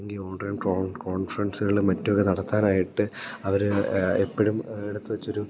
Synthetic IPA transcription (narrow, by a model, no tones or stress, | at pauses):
ŋɡiloːɳɖɐjumkoko̞ːɳfɐrɐnsɨɣɐɭiɭmɐtːuokːenɐɽɐt̪ːaːnaːjiʈːɨɐʋɐɾepːɐɻumeɽut̪ːɨʋɐt͡ɕːo̞ɾu